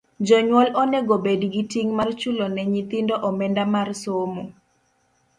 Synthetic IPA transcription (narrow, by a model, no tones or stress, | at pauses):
d͡ʒɔɲwɔlɔnɛɡobedɡitiŋmart͡ʃulonɛɲit̪indoʔɔmɛndamarsomo